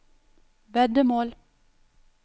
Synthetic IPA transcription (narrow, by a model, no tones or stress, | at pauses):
vɛd̪əmoːl